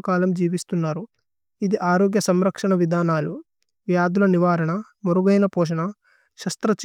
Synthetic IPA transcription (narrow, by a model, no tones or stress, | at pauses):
kaːlɐmd͡ʒiːʋist̪unːaːɾu | id̪iʔaːɾoːɡjɐsɐmɾɐkʂɐɳɐʋid̪ʱaːnaːlu | ʋjaːd̪ulɐniʋaːɾɐɳɐ | muɾuɡɐjnɐpɔːʂ̬ɐɳɐ | ʃɐst̪ɾɐt͡ʃ